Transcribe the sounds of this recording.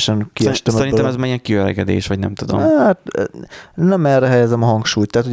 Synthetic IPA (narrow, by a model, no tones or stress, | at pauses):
ʃɛnkiɛʃt̪ɛsmɛɾinoɛmɛzmaːɾijɛŋkiɛɾɛ̰ɡɛd̪ḛːʃʋɒɟnɛ̰mt̪ud̪o̰mat̪ | nɛmɛrːɛɦɛjɛzɛmɒɦɒŋkʃuːjt̪ːaːt̪ho